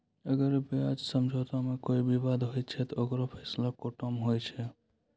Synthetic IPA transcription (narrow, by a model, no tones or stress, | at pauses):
əɡəɾbead͡ʒsəmd͡ʒʱɔt̪amekoibʱibad̪ɦojt̪̚t͡ʃʰɛt̪ɔokɾopʰɛslakoʈomɦojt͡ʃʰɛ